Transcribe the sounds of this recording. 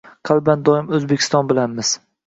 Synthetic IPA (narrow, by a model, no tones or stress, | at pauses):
qʰɑlˠband̪ɒɪmɵzbekʲʰɪ̥st̪ɒnbɪlanmɪz̥